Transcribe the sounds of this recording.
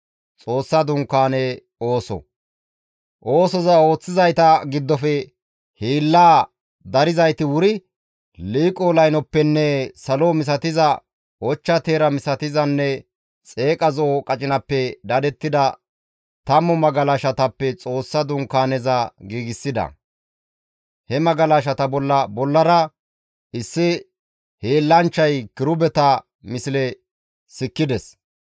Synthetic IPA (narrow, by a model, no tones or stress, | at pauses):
t͡sʼo̞ːsːɐd̪ʊŋkːaːnɛ | o̞ːsɔ̰ | ʔo̞ːsɔzɐo̞ːt͡sːɪzɐjt̪ɐɡɪd̪ːɔfɛ | hiːlːaː | d̪ɐɾɪzɐjt̪ɪwʊɾɪ | liːkʼoːlɐjnɔpːɛnːɛsɐloːmɪs̬ɐt̪ɪzɐ | wɔt͡ʃːɐt̪eːɾɐmɪsɐt̪ɪzɐnːɛ | t͡sʼe̞ːkʼɐzɔkʼɐt͡ʃʼɪnɐpːɛd̪ɐd̪ɛt̪ːɪd̪ɐ | t̪ɐmːɔmɐɡɐlɐʃɐt̪ɐpːɛt͡sʼo̞ːsːɐd̪ʊŋkːaːnɛzɐɡiːɡɪsːɪd̪ɐ̰ | hɛmɐɡɐlɐʃ̬ɐt̪ɐbɔlːɐbɔlːɐɾɐ | ʔɪsːɪ | heːlːɐnt͡ʃːɐjkɪɾʊbɛt̪ɐ | mɪsɪlɛ | sɪkːɪd̪ɛs